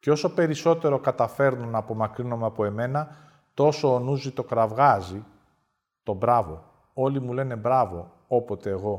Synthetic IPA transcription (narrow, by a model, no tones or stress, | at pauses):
ceo̞so̞pe̞ɾiso̞t̪e̞ɾo̞kɐt̪ɐfe̞ɾnunɐpo̞mɐkɾinomeɐpo̞e̞me̞nɐ | t̪o̞soːnuzit̪o̞kɾɐvɣɐzi | t̪o̞bɾɐvo̞̰ | o̞limule̞ne̞bɾɐvo̞ | o̞po̞t̪e̞ːɣo̞